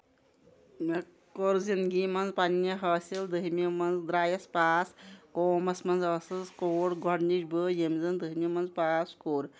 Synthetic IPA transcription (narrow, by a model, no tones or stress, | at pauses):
me | koɾzinɡimɐnzpanːjɐɦɐːsild̪əɦmʲimɐnd͡zd̪ɾaːjɐspaːskoːmɐsmɐnzəsɐskoːɽɡʱɔɽniʃbəjemzɐnd̪əɦimʲimɐnzpaːskoːɾ